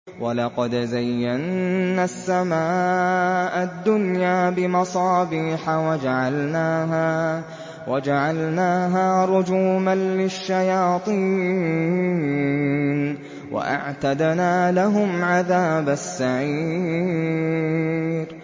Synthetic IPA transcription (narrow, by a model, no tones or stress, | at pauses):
walɑqɑd̪zajːanːasːamaː | ʔad̪ːʊnjaːbɪmɑsˤɑːbiːħawad͡ʒaʕalnaːɦa | wad͡ʒaʕalnaːɦaːɾˤʊd͡ʒuːmanlɪʃːajɑːt̪ˤiː | n | wa̰ʔa̰ʕt̪ad̪naːlaɦʊmʕaðaːbasːaʕiː | ɾ